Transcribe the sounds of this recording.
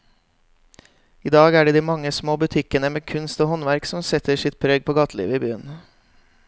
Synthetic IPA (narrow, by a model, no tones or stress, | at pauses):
iːd̪ɑːɡæːɖeːd̪iːmɑŋəsmoːbʉt̪ʰɪkənəmeːkʰʉnst̪oːhɔnʋæɾksɔmsɛt̪əʂɪt̪̚pʰɾœʏɡ̚pʰoːɡɑːt̪ʰlḭːʋəiːbyːən